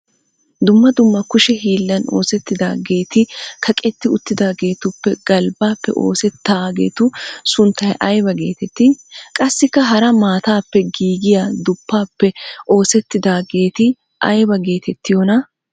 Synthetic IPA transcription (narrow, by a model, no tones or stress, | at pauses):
d̪ʊmːɐd̪ʊmːɐkʊʃɛɦiːlːɐno̞̰ːsɛt̪ːɪd̪a̰ːɡe̞ːt̪ɪkʰɐkʼɛt̪ːɪʊt̪ːɪd̪aːɡe̞ːt̪ʊpːɛɡ̥ɐlbaːpːɛ̰ʔo̞̰ːsɛt̪ːaːɡe̞̰ːt̪ʊsʊnt̪ːɐjʔɐjbɐɡe̞ːt̪ɛt̪ːɪkʼɐsːɪkːɐɦɐɾɐmaːt̪aːpːɛɡiːɡɪjad̪ʊpːaːpːɛʔo̞ːsɛt̪ːɪd̪aːɡe̞ːt̪ɪ | ʔɐjbɐɡe̞ːt̪ɛt̪ːɪjɔnɐ